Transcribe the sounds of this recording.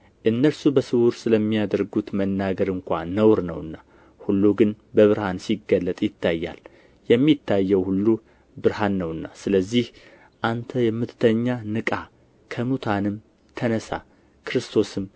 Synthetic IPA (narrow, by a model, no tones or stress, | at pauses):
ʔɨnːəɾsubəsɨwuɾsɨləmːijad̪əɾɡut̪mənːaɡəɾɨŋkʷa̰nəwɾnə̰wɨnːa | hulːuɡɨn | bəβɨɾhansiɡːəlːət̪ʼjɪt̪ʰːajːa̰l | jɛmːit̪ʰːajːɛwhulːu | bɨɾhanːəwɨnːasɨləzːih | ʔant̪ʰəjɛmːɨt̪ʰt̪ʰəɲːanɨkʼa | kʰəmut̪ʰanɨm | t̪ʰənəsa̰ | kʰɨɾɨst̪ʰo̞sɨm